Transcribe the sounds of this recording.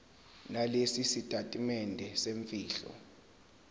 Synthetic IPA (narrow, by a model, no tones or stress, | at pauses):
nalesisitʼatʼimɛndʱɛseɱfiːɬɔ̰